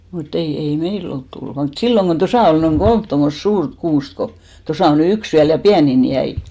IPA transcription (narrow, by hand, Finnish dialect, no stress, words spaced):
mutː ei ei meil olt tulːŭ ʋɑː mut silːoŋ ɡ̊on tosɑ ol noiŋ ɡ̊olmt tomːost suːrt kuːst ko tosɑˑ o ny yks ʋiæl jɑ piænin jæi